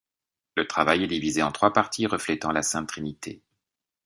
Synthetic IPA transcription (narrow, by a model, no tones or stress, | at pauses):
lət̪χavajɛd̪ivizeɑ̃t̪χwapaʁt̪ʰiʁəflɛt̪ɑ̃lasɛ̃t̪χinit̪ʰḛ